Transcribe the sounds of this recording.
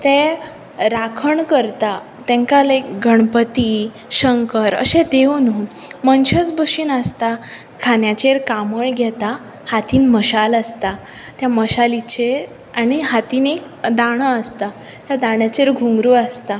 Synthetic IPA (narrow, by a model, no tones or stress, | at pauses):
t̪ɛ | ɾakʰəɳkəɾt̪a | t̪ɛ̃ŋkalekɡʱəɳpət̪i | ɕəŋkəɾə̰ɕẽd̪ewnuː | mənɕət͡sbəɕiːnast̪a | kʰanjat͡ɕeɾkaməɭɡʱɛt̪a | hat̪iːnməɕalast̪a | t̪jaməɕalit͡ɕeɾ | añiɦat̪iːnek | d̪aɽ̃əəst̪a | t̪jad̪aɳ̃jat͡ɕeɾɡʱũŋɡɾuːast̪a